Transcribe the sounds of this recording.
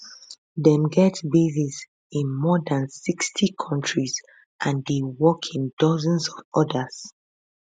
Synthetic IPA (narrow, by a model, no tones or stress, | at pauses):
dɛ̃mɡɛtbezis | ĩnmɔdãnsikstʰikʰɔ̃ntɹiz | ʔãndewɔkʰĩndɔzə̃nsɔvɔdəz̥